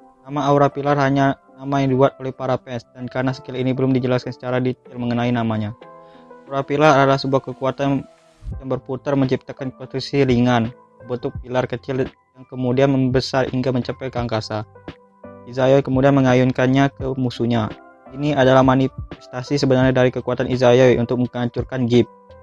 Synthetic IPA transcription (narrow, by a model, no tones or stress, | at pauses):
namaauɾapilarhaɲanamajaŋdibuat̪̚olɛhpaɾapɛnsdankaɾənasə̥kilinibəlʊmdid͡ʒəlaskansə̥t͡ʃaɾadit̪̚ɪlməŋənainamaɲaauɾapilaradalahsəbuahkəkuat̪an | jaŋbərput̪ərməɲt͡ʃip̚t̪akankost̪ɾiksiliŋan | əbət̪ʊk̚pilarkət͡ʃɪl | jaŋkəmudianməmbəsarḭŋɡaməɲt͡ʃapɛkaŋkasa | izajawkəmudianməŋajunkanɲakəmusuɲa | iniadalahmaniɛst̪asisəbənarɲadaɾikəkuat̪anʔizajawʔṵnt̪ʊk̚məaɲt͡ʃurkanɡɪp̚